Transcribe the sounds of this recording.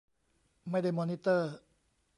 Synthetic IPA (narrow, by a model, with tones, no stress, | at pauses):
ma˥˩jda˥˩jmɔ˧ni˦t̪əː˥˩